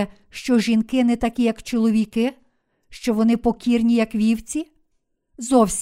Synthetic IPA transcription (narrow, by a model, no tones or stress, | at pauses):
ɛ | ʃt͡ʃɔʒinkɪnɛt̪ɐkʲijɐkt͡ʃɔlˠɔʋʲikɪ | ʃt͡ʃɔʋɔnɪpɔkʲirnʲijɐkʋʲiwt͡sʲi | zɔwsʲ